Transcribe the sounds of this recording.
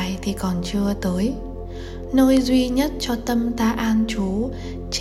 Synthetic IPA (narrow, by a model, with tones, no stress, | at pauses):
jt̪ʰi˨˩kɔ˨˩nt͡ɕɨ˧ət̪əː˨˦j | no˧jzwi˧ɲə˦˥t̚t͡ɕɔ˧t̪ə˧mt̪aː˧ʔaː˧nt͡ɕu˨˦ | t͡ɕ